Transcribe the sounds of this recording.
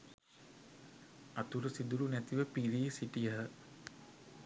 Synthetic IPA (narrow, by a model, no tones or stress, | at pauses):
at̪uɾəsid̪uɾunæt̪iʋəpiɾiːsiʈijəɦə